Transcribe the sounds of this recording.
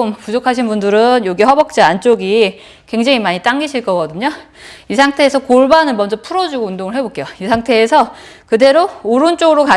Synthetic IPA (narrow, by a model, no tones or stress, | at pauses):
ɯmpud͡ʑokʰaɕ̬ʰinbundɯɾɯnjoɡiɦʌbʌk̚t͡ɕ͈aant͡ɕ͈oɡi | kwe̞ŋd͡ʑaŋimaɲit͈aŋɡiɕʰiɭk͈ʌk͈ʌdɯɲo | isʰaŋtʰe̞ːsʰʌkoɭbanɯnmʌnd͡ʑʌpʰuɾʌd͡ʑuɡoundoŋɯɭɦe̞bok͈ejoisʰaŋtʰe̞ːsʰʌ | kɯde̞ɾooɾunt͡ɕ͈oɡɯɾoka